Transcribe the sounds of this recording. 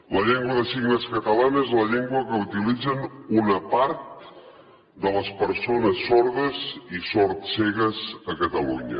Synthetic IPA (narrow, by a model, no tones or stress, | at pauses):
ləʎɛŋɡwəðəsiɣnəskət̪əlanezləʎɛŋɡwəkəut̪ilid͡zənunəpaɾt̪̚ | d̪ələspəɾsonəsːoɾðəzisoɾt̪sɛɣəzəkət̪əlṵɲə̰